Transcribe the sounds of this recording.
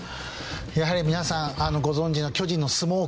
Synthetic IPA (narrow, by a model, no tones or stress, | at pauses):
jaɦaɾʲimʲinasãŋ̃ano̞ɡo̞zõ̞ɲ̟d͡ʑino̞kʲo̞ʑĩnːo̞sɨmo̞ː